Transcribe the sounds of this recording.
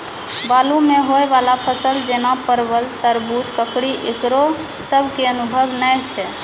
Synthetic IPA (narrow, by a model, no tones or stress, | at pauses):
balumeɦoeβalapʰəsəld͡ʒenapəɾbəlt̪əɾbut̪kəkɽiʔekɾo | səbʱkeənubʱəbnəjt͡ʃʰɛ